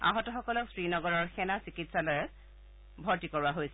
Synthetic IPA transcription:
a̰ɦɔtɔxɔkɔlɔksɹinɔɡɔɹɔɹxɛnasikitsalɔɹɛ | bʱɔɹtikɔɹuaɦojsɛ

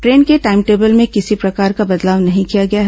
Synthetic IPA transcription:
ʈɾeːnkeʈaːɪmʈeːbəlmẽkɪsipɾɐkaːɾkabɐd̪laːʋnɐɦĩkijaɡɐjaɦ

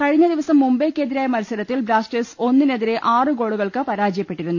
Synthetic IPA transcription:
kɐɻiɲːɐd̪iʋɐsɐmːumbekːeːd̪iɾaːjɐmɐɾɐsɐɾɐt̪ːilbɾaːsʈeso̞nːine̞ðiɾe̞ʔaːrɨɡo̞ːɽuɣɐɭkɨpɐɾaːd͡ʑijɐpːe̞ʈːiɾunːu

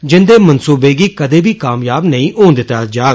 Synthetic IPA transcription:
d͡ʒɪnd̪eːmənsuːbeːɡiːkəd̪eːbiːkaːmjaːbnəĩːʔoːnd̪ɪt̪ːaːd͡ʒaːɡ

